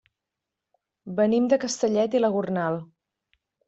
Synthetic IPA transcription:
bənimd̪əkəst̪əʎɛt̪iləɣurnalˠ

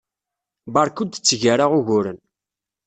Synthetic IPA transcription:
bɑɾˤkud̪t͡sːʝaɾaʁʊʝʊɾən

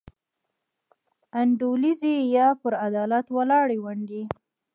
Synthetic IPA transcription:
aɳɖolizejɑpəɾad̪ɑlat̪walɑɽewaɳɖi

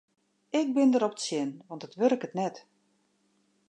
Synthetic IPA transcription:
ɪk̚bɪndəɾɔpətsjɪnʋɑntətʋørkətnɛt

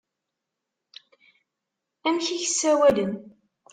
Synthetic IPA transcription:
æmçiçəsːæwælən

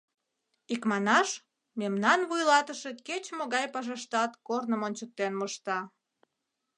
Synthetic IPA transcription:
ikmɑnɑʃ | memnɑnβujlɑt̪əʃeket͡ɕmoɣɑjpɑʒɑʃt̪ɑt̪kornəmonʲt͡ɕək̚t̪ːenməʃt̪ɑ

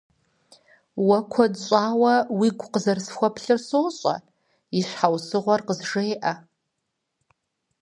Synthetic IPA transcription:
wɐkʷʰɐdɕʷʼaːwɐwiɡʷqəzɐrsxʷɐpʰɬɨrsoːɕʼɐ̰ | iɕʷħawsɨʁʷɔrqəzʐejʔɐ

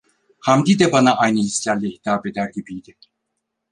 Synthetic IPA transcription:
hamd̪id̪ɛbanaʔajnɯhisʲjallʲihit̪ʰaːbe̞d̪æɾɟibijd̪i

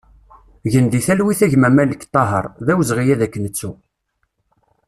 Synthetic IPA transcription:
ʝənd̪iθælwiθæʝmæmæləkt̪ˤːɑɦə̰ɾˤðæwəzʁijæðækːənət͡sːu

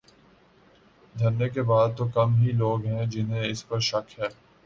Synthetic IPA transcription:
d̪ʱɐɾnekebaːd̪̚t̪okɐmɦiloːɡɦɛ̃d͡ʒɪnɦẽɪspɐɾʃɐkɦɛː

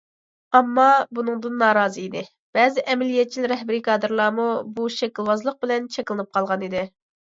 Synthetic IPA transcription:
ɑmːɑbunɨŋd̪ɨnːɑːɾɑːzɨid̪ɪ | b̥ɛːzɪʔɛmɛlijɛt̪̚t͡ʃʰilɾɛɦbɪɾikʰɑːd̪ɨɾlˠɑːmubuʃɛkʲilˠwɑzlˠəq̚bɪlɛnt͡ʃʰɛkʲlˠɨnɨp̚qʰɑlˠʁɑnid̪ɪ

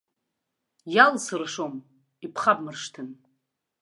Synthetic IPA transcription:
jalsɨrʂom | ipʰχabmɨrʂtʰɨn

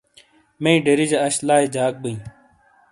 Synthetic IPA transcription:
meĩɖeɾid͡ʑɐɐɕlaːed͡ʑaːk̚bəĩ

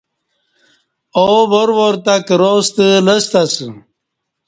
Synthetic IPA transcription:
oboɾwoɾt̪akɾost̪ələst̪ɐsɨ

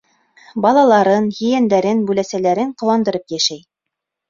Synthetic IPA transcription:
bɑlˠɑlˠɑɾɤnjɵ̆jænd̪æɾɘnbʉlæsælæɾɘɴqŏwɑnd̪ɤ̆ɾɤpjæʃæj

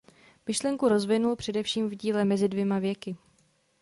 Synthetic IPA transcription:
mɪʃlɛŋkuɾo̞zvɪnulpr̝̥ɛdɛfʃiːmvɟiːlɛmɛzɪdvjɛmavjɛkɪ

